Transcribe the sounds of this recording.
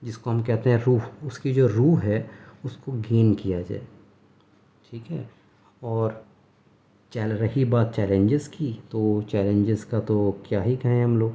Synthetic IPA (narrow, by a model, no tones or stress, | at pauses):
d͡ʒɪskoɦɐmkɛɦt̪eɦɛ̃ɾuːɦʊskid͡ʒoːɾuːɦɦɛʊskoɡeːnkijad͡ʒa̰ːe | ʈʰiːkɦɛ̰ː | ɔːɾ | t͡ʃɛlɾɐɦibaːt̪̚t͡ʃɛːlẽɲd͡ʒɪzkit̪ot͡ʃɛːlẽɲd͡ʒɪzkat̪okjaːɦikɐɦẽɦɐmloːɡ